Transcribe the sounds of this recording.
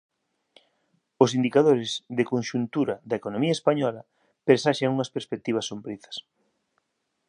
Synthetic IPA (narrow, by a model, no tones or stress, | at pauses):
ʊsind̪ikaðoɾɪzðekonʃunt̪uɾɐðɐekonõmiɐespaɲɔlɐ | peɾsaʃaŋuŋɐspeɾspek̚t̪iβ̞ɐsːombɾiθɐ̥s